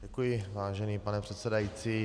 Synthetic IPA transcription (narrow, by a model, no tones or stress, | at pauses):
ɛkujɪvaːʒɛniːpanɛpr̥ɛt̪sɛdajiːt͡siː